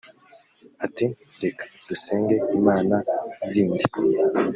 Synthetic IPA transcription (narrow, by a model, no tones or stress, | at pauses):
ati | ɾekḁd̥useːŋɡe̞imaːnaziːndi